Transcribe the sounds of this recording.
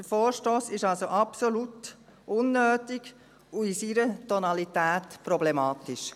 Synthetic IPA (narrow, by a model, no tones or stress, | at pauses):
d̥əfoːɾʃtoːsɪʃɑlsoʔɑpsolut | ʊnːøːtɪɡ | uisiɾətɔnɑlit̪æːtpɾɔblɛmɑːt̪ɪʃ